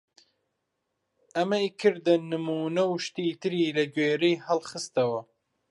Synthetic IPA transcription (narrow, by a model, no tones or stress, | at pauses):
ʔɐmɐjkʰɨɾd̪ɐnɨmuːnɐwʃt̪iːt̪ʰɨɾiːlɐɡweːɾejhɐlˠχɨst̪ɐwɐ